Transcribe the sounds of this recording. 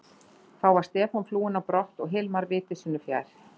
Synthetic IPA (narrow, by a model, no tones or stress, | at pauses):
θawvaɾ̥st̪ɛːfɔnfluːɪnapɾɔht̪ɔɣɦɪlmaɾvɪːt̪ɪsʏnːʏfja̰ːjɾ̥